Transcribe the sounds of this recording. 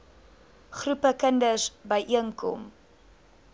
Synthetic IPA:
χrupəkəndəsbəjʔiəŋkʰɔ̰m

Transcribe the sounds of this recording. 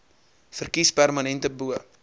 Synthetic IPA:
fərkispærmɐnɛntəbuə

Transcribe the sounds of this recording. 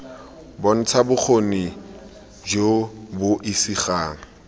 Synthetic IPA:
bɔn̩t͡sʰabʊk͡xʰoni | d͡ʒobʊʔisiχaːŋ̩

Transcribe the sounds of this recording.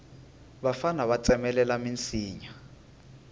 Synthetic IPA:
βafanaβat͡sʼɛmɛlɛlamint͡sʰiːɲa

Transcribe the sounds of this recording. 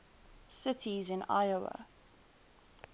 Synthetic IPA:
sɪtʰizɪ̃na̰ɪəə̰

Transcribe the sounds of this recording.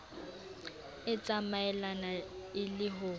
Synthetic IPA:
ɪt͡sʼamaɛlanaɪlɪɦʊ

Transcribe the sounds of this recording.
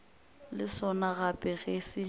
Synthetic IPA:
lɪsɔnaɣapʼɛɣesɪ

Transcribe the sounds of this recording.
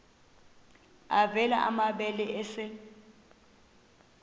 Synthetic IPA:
avɛlaʔamaɓɛlɛʔɛsɪ

